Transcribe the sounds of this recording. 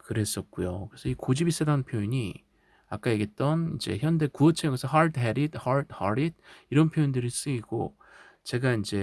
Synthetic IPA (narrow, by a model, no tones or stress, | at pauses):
kɯɾe̞s͈ʌt̚k͈ujokɯɾesʰʌikod͡ʑibis͈ɯdanɯnpʰjoiɲi | ak͈aje̞ɡe̞t̚t͈ʌnid͡ʑe̞̰çjʌnde̞kuʌt͡ɕʰeɡesʰɦʌɭdʰɦe̞ɾidhʌɭdhʌɾid̚iɾʌnpʰjoindɯɾis͈ɯiɡ̥o̰ | t͡ɕe̞ɡaind͡ʑe̞